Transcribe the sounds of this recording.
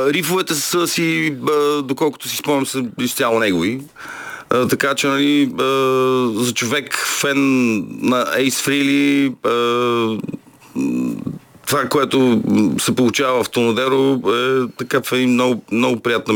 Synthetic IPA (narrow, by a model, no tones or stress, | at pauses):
ɾifovɛt̪ɛsəsiəd̪okɔlˠko̥t̪ʊsi̥spɔmnʲɛmsɐlist̪ʲjalˠonɛɡovi | t̪ɐkat͡ʃɛnɐliəzɐt͡ʃovɛkfɛnːɐɛjsfɾiliə | t̪ovakoɛt̪osɛpolˠut͡ʃavɐəft̪onod̪ɛɾoɛt̪ɐkafɛimnɔɡʊmnɔɡʊpɾijat̪nɐ